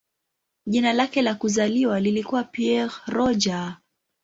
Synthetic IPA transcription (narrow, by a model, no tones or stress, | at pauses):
ʄinalakɛlakuzaliwalilikuwapiɛʁɾɔd͡ʒa